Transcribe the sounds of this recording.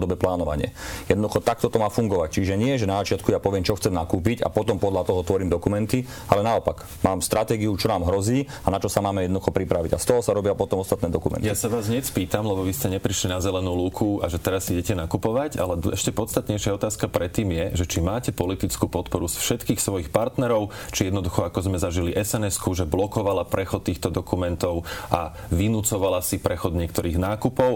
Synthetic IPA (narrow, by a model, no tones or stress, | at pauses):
d̪ɔbɛplaːnɔʋa̰ɲɪɛ̰jɛd̪nɔd̪uxɔt̪ak̚t̪ɔt̪ɔmaːfuŋɡɔʋac̚t͡ʃiʒɛɲɪɛʒɛnazat͡ʃɪat̪kujapɔʋɪɛmt͡ʃɔxt͡sɛmnakuːpica̰pɔt̪ɔmpɔd̪ʎlat̪ɔɦɔt̪ʋɔɾiːmd̪ɔkumɛnt̪i | alɛnaɔpaɡ | maːmst̪ɾʔat̪ɛːɡiut͡ʃɔnaːmɦɾɔziː | anat͡ʃɔsamaːmɛjɛd̪nd̪uxɔpɾipɾaʋḭɟa̰st̪ɔɦɔsaɾɔbɪapɔt̪ɔmɔst̪at̪nɛːd̪ɔkumɛ̰njiasaʋaːzɲɪɛspiːt̪amlɛbɔʋiscɛɲɛpɾiʃlinazɛlɛnuːluːkʰua̰ʒɛt̪ɛɾasːiɟɛcɛnakupɔʋaɟalɛɛʃcɛpɔt͡st̪at̪ɲɛjʃɪaɔt̪aːskapɾɛt̪ːiːmjɛʒɛt͡ʃimaːcɛpɔlit̪it͡skuːpɔt̪pɔɾusfʃɛt̪kiːxsʋɔjixpaɾt̪nɛɾɔʊ | t͡ʃijɛd̪nɔd̪uxɔakɔzmɛzaʒiliʔɛsɛnɛskuʒɛblɔkɔʋalapɾɛxɔt̪ːiːxt̪ɔd̪ɔkumɛnt̪ɔʊʔaʋinut͡sɔʋalasipɾɛxɔd̪ɲɪɛkt̪ɔɾiːɣnaːkupɔʊ